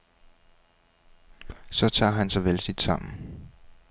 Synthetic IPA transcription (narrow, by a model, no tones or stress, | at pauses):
sɒ̽t͡sʰɑ̰̈ːɦænsɑɪʋelsid̥sɑ̈m̰n̩